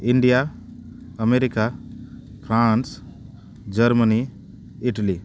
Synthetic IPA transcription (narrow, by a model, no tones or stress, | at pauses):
iɳɖija | əmeɾika | pʰɾans | d͡ʒəɾməni | iʈəli